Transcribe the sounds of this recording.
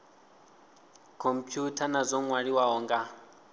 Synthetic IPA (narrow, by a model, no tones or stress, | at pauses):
kʰompʰjutʰanazʷɔŋwaɺiwaɦɔŋɡa